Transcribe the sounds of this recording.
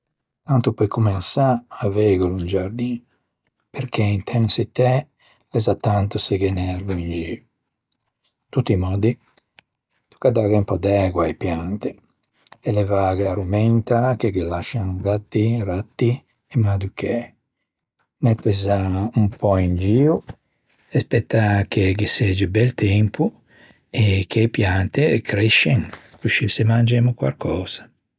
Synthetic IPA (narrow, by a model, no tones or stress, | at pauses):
t̪ant̪upɔjkumɛnsaːvɛɣolund͡ʒaɾd̪iːn | peɾkʰeint̪ʰɛnset̪ːɛ | lɛzat̪ːant̪usɛɡɛnɛɾluind͡ʒiːu | t̪ut̪ːimɔːd̪i | t̪u̥kad̪aɣɛumpɔd̪ɛːɡwaipjant̪i | ɛlɛvaːɣaaɾumɛnt̪ak̟ekelaʃːaŋɡat̪ːiɾat̪ːi | ɛmad̪ukʰe | nɛt̪ːɛzaumpɔind͡ʒiːu | ɛspɛt̪ːakekesɛd͡ʒibɛlt̪ɛmpu | ɛkːeipjant̪ekɾɛʃɛŋ | kuʃisemand͡ʒemukwa̰lkʰɔːz̥ḁ